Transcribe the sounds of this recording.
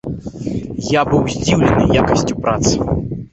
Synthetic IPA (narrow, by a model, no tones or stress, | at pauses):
jabɨwzʲd͡zʲiwlʲɛnɨjakɐsʲt͡sʲupɾat̪sɨ̥